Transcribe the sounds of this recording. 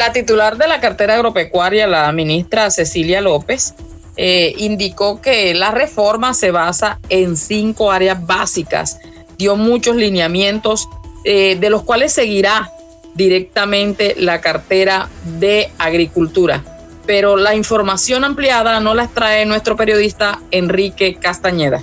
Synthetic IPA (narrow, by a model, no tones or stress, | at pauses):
lat̪it̪ulaɾðe̞lakaɾt̪e̞ɾaːɣɾope̞kwaɾjalamĩnist̪ɾase̞siljalo̞pe̞s | eind̪iko̞ke̞lare̞fo̞ɾmase̞βasaensiŋko̞aɾeazβasika̰s | d̪jo̞mũt͡ʃo̞slinjamje̞nt̪o̞seðe̞lo̞skwale̞sːe̞ɣiɾa | d̪iɾe̞k̚t̪amẽ̞nt̪e̞lakaɾt̪e̞ɾaðe̞aɣɾikult̪uɾa | pe̞ɾo̞laiɱfo̞ɾmasjo̞nampljaðano̞laest̪ɾae̞nwe̞st̪ɾo̞pe̞ɾjo̞ðist̪ae̞nrike̞kast̪aɲe̞ða